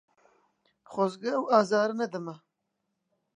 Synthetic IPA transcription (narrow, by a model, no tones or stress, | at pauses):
χozɡɐːwɑːzɑːɾɨnɐd̪ɨmɐ